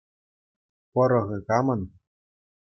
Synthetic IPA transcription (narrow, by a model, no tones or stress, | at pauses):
pɤ̆ɾɤ̆ɣɤ̆kɑmɤ̆n